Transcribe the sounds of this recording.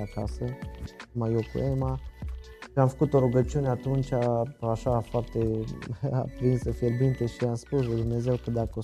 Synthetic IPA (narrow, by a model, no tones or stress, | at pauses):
aka̰səmajokṵema | ʃiamfə̥kut̪o̞ɾuɡət͡ʃiuneat̪unt͡ʃaaʃafoart̪e | a̰pɾinsəfiɾbint̪əʃiamspuslujd̪umne̞ze̞wkəd̪akəo